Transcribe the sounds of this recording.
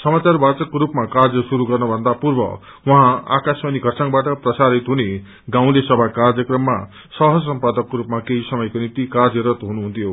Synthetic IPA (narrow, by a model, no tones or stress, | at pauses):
sʌmat͡sarbat͡sʌkːoɾupmakard͡zʌsuɾuɡʌrnʌbʱʌnd̪apurbʌ̰ | wʌɦãa̰kasmaniɡʱʌrsaŋbaʈʌprʌsaɾit̪ɦune | ɡãw̃lesʌbʱakard͡zʌkrʌmːa̰ | sʌɦʌd͡zsʌmpad̪ʌkːoɾupmakeɦisʌmʌjkonimt̪ikard͡zʌɾʌt̪ɦunuɦunt̪ʰijo